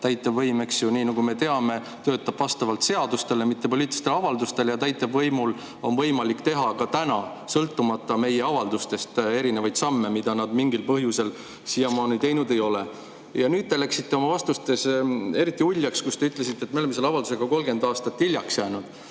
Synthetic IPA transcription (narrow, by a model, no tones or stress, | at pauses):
t̪æjt̪ːˑɑbvɤjme̞ksjuniːnɑɡ̥ume̞t̪e̞ɑme̞ | t̪ø̞ːt̪ːˑɑb̥vɑst̪ɑvɑlt̪se̞ɑd̪ust̪e̞lemit̪ːe̞po̞lʲiːt̪ilist̪eɑvɑld̪ust̪e̞ljɑt̪æjt̪ːˑɑbvɤjmul | o̞nvɤjmɑlikːt̪e̞ɦɑkɑt̪ænɑ | sɤlt̪ːˑumɑt̪ːˑɑme̞je̞ɑvɑld̪ust̪e̞st̪e̞ɾinevɑjd̪̥sɑmːe̞mid̪̥ɑnɑd̪miŋɡilpɤɦjuse̞l | sijɑmɑːnit̪e̞jnud̪e̞jo̞le̞ | jɑnyːd̪̚t̪elæksit̪ːe̞o̞mɑvɑst̪ust̪e̞se̞ɾit̪ːˑiulʲːjɑkskust̪e̞yt̪le̞sit̪ːet̪ːmeoeme̞lːɑvɑld̪u̥seɡ̥ɑko̞lɡe̞nd̪ɑːst̪ɑt̪ːilʲjɑksjæːnud̪̥